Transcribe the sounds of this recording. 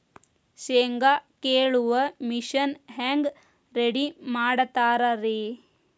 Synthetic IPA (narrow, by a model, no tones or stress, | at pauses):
seːŋɡakeːɭuʋɐmiʃɐnɦeːŋɡ | ɾeɽimaːɽɐt̪aːɾɐɾeː